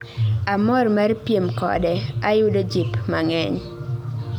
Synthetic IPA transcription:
amɔrmaɾpjemkɔ̰dɛajʊdod͡ʒipmaŋɛɲ

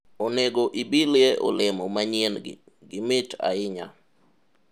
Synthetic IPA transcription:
oneɡoʔibiljeʔo̰lɪmɔmaɲen̰ | ɡɪmɪta̰ɪɲa̰

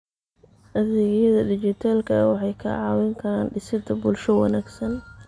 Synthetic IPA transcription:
ʔɐðɪːɣjɐðɐd̪ɪt͡ʃɪt̪ʰaːlkʰɐwɑħɑjkʰɐ̰ʕɑːwɪŋkʰɐɾaːnɖɪsɪd̪ʰɐbʊlʃɔwɑ̰naːɡsɐn

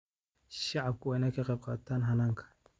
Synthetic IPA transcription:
ʃaab̚kuwanakekeb̚katanɦanaŋkḁ

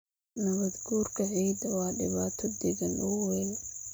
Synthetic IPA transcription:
nɐβɐd̪ɡuːrkʰɐʕiːd̪ɐwɑːɖɪ̰βaːt̪ʰɔd̪ɛɡɐnʔʊwɛn

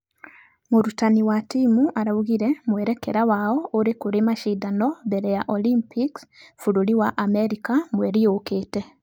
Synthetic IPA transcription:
moɾutaniwatimuʔaɾauɣiɾɛmwɛɾɛkɛɾawaɔoɾekoɾemaʃiːdanɔbɛɾɛjaʔɔlimpiksfuɾoɾiwaʔamɛɾikamwɛɾiokeːtɛ

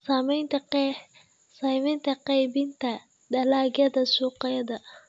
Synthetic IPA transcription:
saːmɛjnt̪ʰɐ | sɐjmɛnt̪ʰɐqɑjbɪnt̪ʰɐ | d̪ɐlaːɡɐðɐsuːqɐjɐðɐ

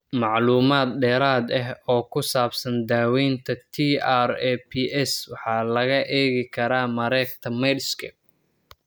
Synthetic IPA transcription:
mɑʕluːmaːd̪ɖɛːɾaːd̪ɐɦɔːkʰʊsaːbsɐnd̪aːwɛːnt̪ʰɐt̪ʰiarɛːpʰiʔɛswɑħɑːlɐɣɐʔɛːɣɪkʰɐɾaːmɐɾɛːkt̪ʰɐmɛɖskʰɐ̰

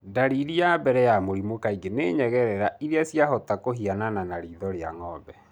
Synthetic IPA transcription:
daɾiɾiabɛɾɛjamoɾimokaiɡeneɲɛɣɛɾɛɾaiɾeasjaɦɔtakoɦianananaɾiːðɔɾea̰ŋɔbɛ

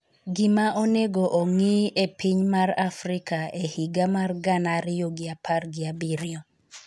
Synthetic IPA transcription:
ɡɪmaʔoneɡoʔoŋiepiɲmarafɾɪkaehiɡamarɡanaɾɪjoɡɪapʰarɡɪabiɾɪo

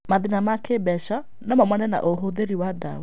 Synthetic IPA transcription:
maðinamakebɛʃa | nɔmamwanɛna̰ʔoɦoðeɾiwada̰we

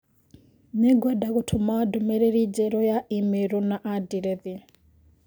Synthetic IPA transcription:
nɛɡwɛdakutʰumadumɛɾɛɾid͡ʒɛɾɔjaʔimɛɾɔnaʔadiɾɛði

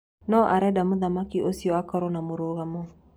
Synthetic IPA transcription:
nɔʔaɾɛdamoðamakiʔosiɔakɔɾɔnamoɾoːɣamɔ

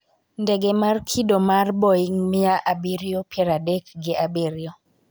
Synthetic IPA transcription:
ndɛɡemarkʰidomarbɔiŋmɪaʔabiɾjopjɛɾadɛkɡɪʔabiɾjo

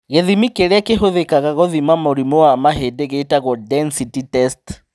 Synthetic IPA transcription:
ɣeðimikeɾakeɦoðekaɣaɣɔðimamoɾimɔwamaɦedeɣeitaɣɔdɛnsititɛst

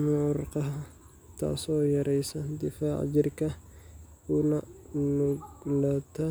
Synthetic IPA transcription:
mʊʕʊɾqɑɦ | t̪ʰa̰ːsoːjɐɾʔɛjsɐnd̪ɪfaːʕ̰d͡ʒɪrkɐkʊnɐnʊɡlɐt̪ɐ

